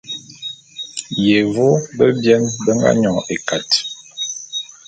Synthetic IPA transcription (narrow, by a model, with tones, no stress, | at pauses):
je˨vo˦bə˦bjɛ˦nbə˦ŋ˦ɡa̰˦ɲɔ˨e˨ka˨t